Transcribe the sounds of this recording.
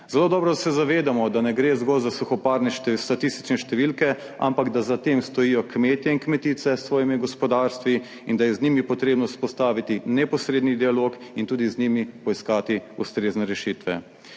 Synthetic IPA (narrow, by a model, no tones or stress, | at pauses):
zɛloːd̪ɔːbɾɔd̪sɛzaʋeːd̪amɔd̪anɛɡɾeːzɡɔlzasuxɔpaɾnɛʃt̪st̪at̪ist̪i̥t͡ʃnɛʃt̪ɛʋilkɛ | a̰mpaɡd̪azat̪emst̪ɔjiːjɔkmeːt̪jɛinkmɛt̪it̪sɛsːʋɔːjimiɡɔspɔd̪aɾst̪ʋi | ind̪ajɛznimipɔt̪ɾeːbnɔspɔst̪aːʋit̪inɛpɔsɾeːd̪nid̪ialokint̪uːd̪izniːmipɔiskaːt̪iust̪ɾeːznɛɾɛʃiːt̪ʋɛ̰